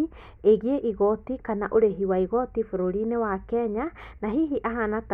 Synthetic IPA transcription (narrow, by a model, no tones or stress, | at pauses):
eɣieʔiɣɔtikanaʔoɾeɦiwaiɣɔtifoɾoɾinewakɛɲanaɦiɦiʔaɦanat